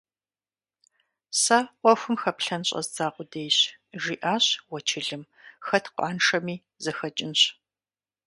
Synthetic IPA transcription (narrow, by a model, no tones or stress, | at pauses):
saːqʷɔxʷʊmxɐpɬɐnɕʼɐ̰zd͡zaːqʷʊdejɕʒiːʔaːɕwɔt͡ʃʰɪɮɨm | xɐtʰqʷɑ̰ːnʂɐmiː | zɐxɐt͡ʃʼɪnɕ